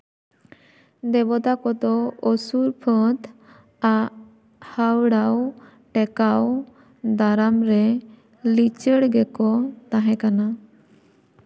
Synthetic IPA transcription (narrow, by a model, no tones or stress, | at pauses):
d̪ɛbɔt̪akɔt̪ɔɔsuɾpʰə̃t̪ | aʔ | hawɽaw | ʈɛkaw | d̪aɾamɾɛ | lit͡ʃəɽɡɛkɔt̪aɦɛ̃kana